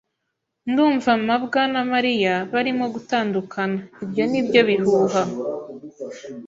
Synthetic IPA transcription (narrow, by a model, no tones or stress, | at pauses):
nduːɱvamabɡanamaɾijaβaɾimo̞ɡutaːndukʰanaibjo̞nibjo̞βihuːɦa